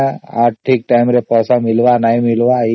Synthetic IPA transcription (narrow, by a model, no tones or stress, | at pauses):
aːʈʰik̚ʈajmɾepɔːsamɪlʋanaimɪlʋa